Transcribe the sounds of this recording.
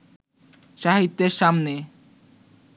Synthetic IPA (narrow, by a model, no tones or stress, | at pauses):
ʃaɦit̪ːeɾʃamne